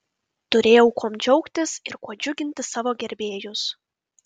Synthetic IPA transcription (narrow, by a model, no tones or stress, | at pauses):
t̪ʊɾʲeːjɛʊkoɔmd͡ʒʲɔʊkt̪ʲɪsɪɾkuɔd͡ʒʲʊɡʲɪnʲt̪ʲɪsɑːʋoːɡʲɛɾʲbʲeːjʊs